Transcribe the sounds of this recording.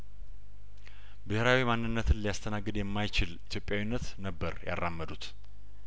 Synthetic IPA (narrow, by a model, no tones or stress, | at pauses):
bɨheɾawimanːɨnːət̪ʰɨnlijast̪ʰənaɡːɨd̪jɛmːajt͡ʃɪlit̪ʰjo̞pʼːjawinːət̪nəbːəɾja̰rːamːəd̪ut̪